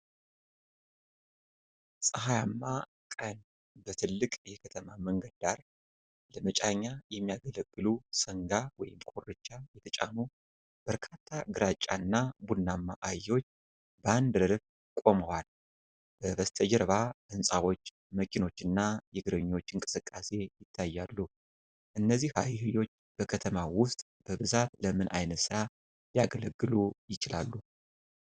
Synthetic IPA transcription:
sʼəɦajamːa | kʼən | bət̪ʰɨlːɨkʼjɛkʰət̪ʰəmaməŋɡəd̪aɾ | ləmət͡ʃʼaɲːajɛmːijaɡələɡːɨlusəŋɡawɔ̰jɪ̰mkʰʼorːɨt͡ʃːajɛt̪ʰət͡ʃʼa̰nu | b̥əɾkʰat̪ʰːaɡɨɾat͡ʃʼːanːabunːamːaʔajːo̞t͡ʃː | bəand̪ɾɨɾf | kʼo̞məwal | b̥əβəst̪ʰəd͡ʒɛɾβaʔɨnsʼawo̞t͡ʃː | məkʰino̞t͡ʃːɨnːajɛɡɨɾəɲːo̞t͡ʃːɨŋkʼɨ̥sɨkʼːase̞jɪt̪ʰːajːalːu | ʔɨnːəzːihha̰jhɨjo̞t͡ʃːb̥əkʰət̪ʰəmawʊst̪ʼ | b̥əβɨzat̪ləmɨnʔa̰jnət̪sɨɾa | ljaɡələɡːɨlujɪt͡ʃɪla̰lːu

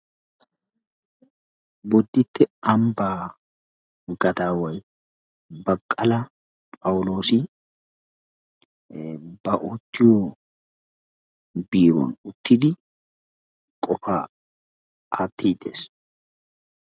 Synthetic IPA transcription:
bɔd̪ːɪt̪ːɛɐmbaː | ɡɐd̪aːwɐj | bɐkʼːɐlɐ | pʼɐwlo̞ːsɪ | b̥ɐʔɔt̪ːɪjɔ | biːɾɔ̰nʊt̪ːɪd̪ɪ | kʼɔfaː | at̪ːiːd̪ḛs

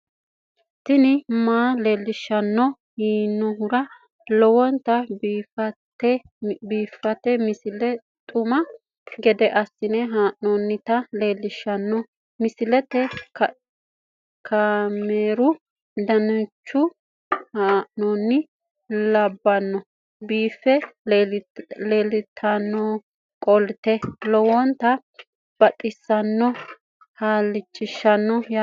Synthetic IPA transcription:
sɪnɪmaːleːlːɪʃɐnːɔ | hiːnːɔɦʊɾɐ | lɔwɔnt̪ɐbfɐtɛ | biːfːɐt̪ɛmɪsɪlɛ | t̪ʼʊmɐ | ɡɛd̪ɛʔɐsːɪnɛɦaːʔnɔnːɪt̪ɐleːlːɪʃːɐnːɔ | mɪsɪlɛt̪ɛk | kʰameːɾʊ | d̪ɐnʊt͡ʃːʊ | haːʔnɔnːɪ | lɐbːɐnːɔ | biːfːɛ | leːlɪt̪ʰːɐnːɔ | kʼɔlt̪ɛlɔwɔnt̪ɐ | b̥ɐt̪ʼːɪsːɐnːɔ | haːlːɪt͡ʃːɪʃːɐnːɔj

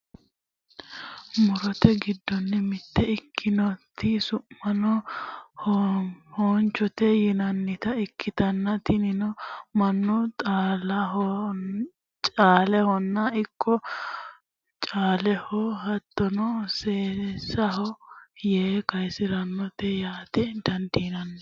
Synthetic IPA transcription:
mʊɾɔt̪ɛɡɪd̪ːɔnːɛmɪt̪ːɛɪkʰːɪnɔt̪ːɪsʊmːɐnɔhhɔnt͡ʃɔt̪ɛjɪnɐnːɪt̪ɐɪkʰːɪt̪ɐnːɐt̪ɪnɪnɔmɐnːʊt̪ʼaːlɐɦɔ | t͡ʃʼaːlɛhɔnːɐɪkʰːɔ | t͡ʃʼaːlɛhɔhɐt̪ːɔnɔseːsɐɦɔjeːkɐjsɪɾɐnːɔt̪ɛjaːt̪ɛd̪ɐnd̪inɐnːɛ

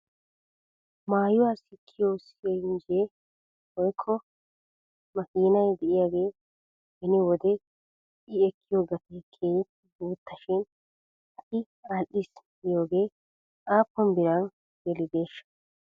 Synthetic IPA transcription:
maːjʊwaːsɪkʰːɪjoːsɪjɛɪnd͡ʒe | wɔjkʰːɔ | mɐkiːnɐjd̪ɛʔɪjaːɡe̞ː | hɛnɪwɔd̪ɛ | ɪɛkʰːɪjoːɡɐt̪ekʰːeːj | buːt̪ːɐʃɪn | ʔɐt̪ɪ | aːlʔis | ɪjo̞ːɡe̞ː | ʔaːpːɔmbɪɾɐn | ɡɛlɪd̪e̞ːʃːɐ̥

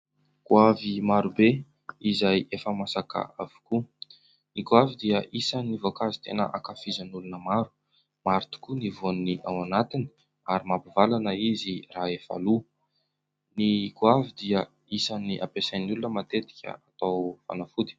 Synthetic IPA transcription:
kuavimaɾube | izajefəmasaka̰avu̥ku | nikuavid̪iəʔisanivokazit̪enə̰ʔakafizənulunəmaɾu̥ | maɾit̪u̥kunivonniʔawanat̪ini̥ | aɾimapivalanəiziraefa̰lu | nikwavid̪iə | isaniʔa̰pesajnulunəmat̪et̪i̥kʲə̰at̪awfa̰nafud̪i̥

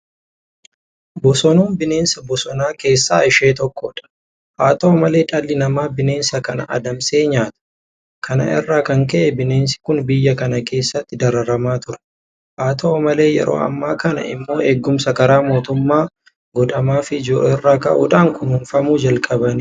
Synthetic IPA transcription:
bɔsɔnuːnbɪne̞ːnsɐbɔsɔnaːke̞ːsːaːɪʃe̞ːt̪ɔkːɔᶑɐ̥ | haːt̪oːmɐle̞ːᶑʼɐlːɪnɐmaːbɪne̞ːnsɐkɐnɐ̰ʔɐ̰d̪ɐmse̞ːɲaːt̪ɐ̥ | kʰɐnɐ̰ʔɪ̰rːaːkɐŋkɛʔɛbɪne̞ːnsɪ̥kʊnbɪjːɐkɐnɐkʰe̞ːsːɐt̪ːɪd̪ɐɾɐɾɐmaːt̪ʊɾɛ̥ | haːt̪ʰoːmɐle̞ːjɛ̰ɾo̰ːɐ̰mːaːkɐnɐ̰ʔɪ̰mːo̞ːeːɡːʊmsɐkɐɾaːmo̞ːt̪ʊmːaː | ɡɔᶑɐmaːfɪd͡ʒoːʔɛrːaːkɐ̰ʔʊ̰ᶑaːŋkʊnhʊnfɐmuːd͡ʒɐlkʼɐbɐni

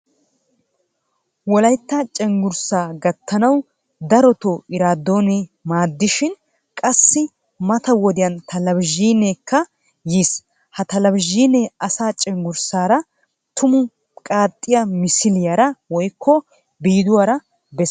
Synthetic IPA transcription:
wɔlɐjt̪ːɐt͡ʃʼɛŋɡʊɾsaːɡɐt̪ʰːɐnɐw | d̪ɐɾɔt̪oɪɾaːd̪ːoːnɛmaːd̪ːɪʃɪn | kʼɐsːɪ | mɐt̪ɐwɔd̪ɪjɐnt̪ʰɐlɐbʒiːneːkːɐ | jiːs | hɐt̪ɐlɐbʒiːneɐsaːt͡ʃʼɛŋɡʊɾsaːɾɐ | t̪ʊmʊ | kʼaːt̪ʼːɪjɐmɪsɪlɪjɐɾɐwɔjkːɔ | biːd̪ʊwaːɾɐ | bɛs

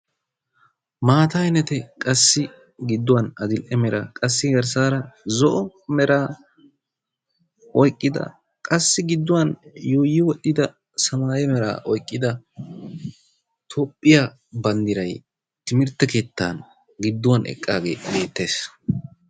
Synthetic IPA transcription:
maːt̪ɐjnɛt̪ɛkʼɐsːɪ | ɡɪd̪ːʊwɐnɐd̪ɪlʔɛmɛɾɐ̰kʼɐsːɪɡɐɾs̬aːɾɐzɔʔɔmɛɾaː | ʔɔjkʼːɪd̪ɐ̰ | kʼɐsːɪɡɪd̪ːʊwɐnjuːjɪwɔtːɪd̪ɐ | sɐmaːjɛmɛɾa̰ːʔɔjkʼːɪd̪ɐ | t̪ʰopʼːɪja | bɐnd̪ɪɾɐj | t̪ɪmɪɾt̪ːɐke̞ːt̪ːa̰n | ɡɪd̪ːʊwɐnʔɛ̰kʼːaːɡe̞̰ːbe̞ːt̪ːe̞ːs

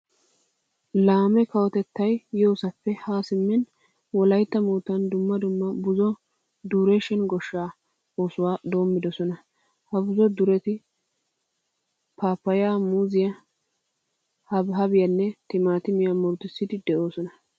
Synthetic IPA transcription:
laːmɛkɐwɔt̪ɛt̪ːɐjjo̞ːsɐpːɛhaːsɪmːɪn | wɔlɐjt̪ːɐmoːt̪ːɐnd̪ʊmːɐd̪ʊmːɐbʊzɔ | d̪uːɾeʃɪnɡɔʃːaː | oːsʊwaːd̪o̞ːmːɪd̪ɔsɔnɐ | hɐbʊzɔd̪ʊɾɛt̪ɪ | paːpːɐjaːmuːzɪjɐ | hɐbɦɐbɪjɐnːɛt̪ɪmaːt̪ɪmɪjɐmʊɾt̪ɪsːɪd̪ɪd̪ɛʔo̞ːsɔnɐ

